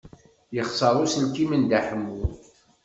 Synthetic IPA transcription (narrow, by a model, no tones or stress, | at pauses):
jəχsˤɑɾˤusənkimənd̪aħəmːu